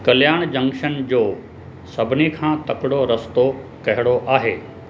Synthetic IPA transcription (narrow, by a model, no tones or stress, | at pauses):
kɐljaːɽ̃d͡ʑɐ̃ŋkʃənd͡ʑoː | sɐbʱɪnikʰãːt̪ɐkɪɽoɾɐst̪okɐɦɪɽ̃oʔaːɦeː